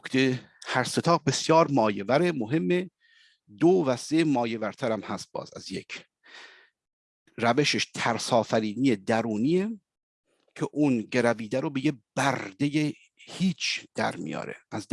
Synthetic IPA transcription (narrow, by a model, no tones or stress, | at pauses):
kʰt̪ʰe | hæɾse̞t̪ʰɒːɣbe̞sjɒːɾmɒːjevæɾemoɦe̞mːe | d̪ovæsemɒːje̞væɾt̪ʰæɾæmhæst̪̚b̥ɒ̰ːzæ̰zjekʰ | ɾæveʃeʃt̪ʰæɾsɒːfæɾiːniːjed̪æɾuːniːe | cʰeʔuːnɟeɾæviːd̪æɾobejeb̥æɾd̪e̞je | hiːt͡ʃʰd̪̥æ̰ɾmḭjɒ̰ːɾḛʔæz